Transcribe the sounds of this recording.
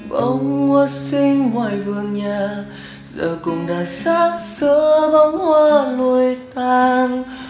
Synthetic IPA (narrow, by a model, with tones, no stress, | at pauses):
ɓə̰˧˦ŋ͡mːə˧˦sï˧ŋmwaː˧˩jvɨ˨˩əŋɲaː˨˩ | zə̰ː˨˩kʊ˨˩ŋ͡mɗaː˨˩jsaː˦˥t̚səː˧˦ɓa˧˦ŋ͡mhwaː˧˩lu˧jt̪aː˧n